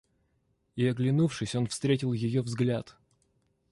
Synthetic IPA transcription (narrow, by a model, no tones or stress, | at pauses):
ɪɐɡlʲɪnufʂɨsʲo̞nfst̪ɾʲetʲɪlˠjɪjovzɡlʲat̪